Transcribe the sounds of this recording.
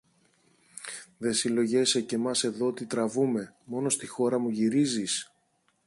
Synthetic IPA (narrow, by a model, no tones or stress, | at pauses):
ðe̞silo̞ʝe̞se̞ce̞mɐse̞ðo̞ot̪it̪ɾɐvume̞mo̞no̞st̪ixo̞ɾɐmuʝiɾizis